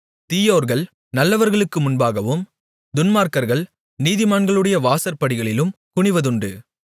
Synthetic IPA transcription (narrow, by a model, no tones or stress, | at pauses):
t̪iːjoːɾɣɐɭ | nɐlːɐʋɐɾɣɐɭɯkːɯmʊnbaːɣɐʋɯm | d̪ʊnmaːɾkɐɾɣɐɭ | niːðɪmaːɳɡɐɭɯɽɐjɐʋaːsɐɾpɐɽɪɣɐɭɪlɯmkʊɳɪʋɐðɯɳɖɯ